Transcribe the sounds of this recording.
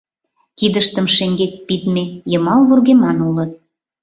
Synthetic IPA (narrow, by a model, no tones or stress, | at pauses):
kid̪əʃt̪ə̆mʃeŋɡek̚pit̪mejəmɑlβurɣemɑnulɤ̆t̪̚